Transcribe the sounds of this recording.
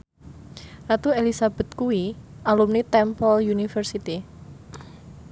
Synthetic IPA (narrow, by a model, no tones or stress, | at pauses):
rat̪uelisab̥ɛ̤t̪̚kui | alumnit̪ɛmpɔljunifərsit̪i